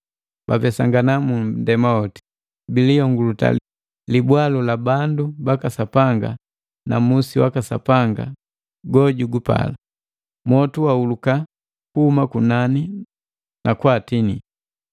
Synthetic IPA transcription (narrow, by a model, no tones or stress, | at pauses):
b̥apɛsaŋɡanamudɛmaɔti̥ | biliɔŋɡuluta̰l | libwalulabandubakasapaŋɡa̰ | namusiwakasa̰paŋɡa̰ | ɡɔɟuɡupa̰la | mɔtuwauluka | kuhumakunani | nakwaːtinḭ